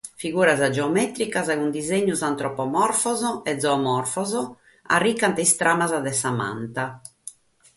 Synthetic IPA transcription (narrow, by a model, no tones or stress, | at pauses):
fiɣuːɾazad͡ʒɛɔmɛt̪ɾikazɛɣund̪izeɲːuzant̪ɾɔpɔmɔrfɔzɔɛd̪zɔːmɔrfɔzɔ | a̰rːikːant̪ɛist̪ɾʔamazad̪ɛsama̰nt̪a